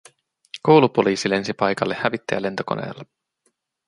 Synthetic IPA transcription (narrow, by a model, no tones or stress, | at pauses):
kowlupo̞liːsile̞nsipɑjkɑlːehæʋit̪ːeæle̞nt̪o̞ko̞̰ne̞̰ːlːɑ